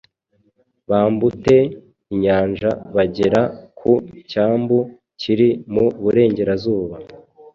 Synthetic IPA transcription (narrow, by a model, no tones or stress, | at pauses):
βaːmbute̞ | iɲaːnʒaβaɟe̞ɾakʰucaːmbu | ciɾimuβuɾe̞ːɲɟe̞ɾazuːβa